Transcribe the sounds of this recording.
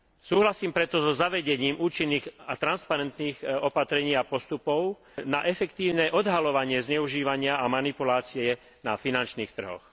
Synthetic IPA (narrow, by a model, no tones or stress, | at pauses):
suːɦlasiːmpɾɛt̪ɔzɔzaʋɛɟɛɲiːmuːt͡ʃinːiːɣat̪ɾanspaɾɛnt̪niːɣɔpat̪ɾɛɲiːapɔst̪upɔʊ | naʔɛfɛkt̪iːʊnɛʔɔd̪ɦalɔʋaɲɪɛzɲɛuʒiːʋaɲɪaamanipulaːt͡sɪɛ | na̰finant͡ʃniːxt̪r̩ɦɔ̰x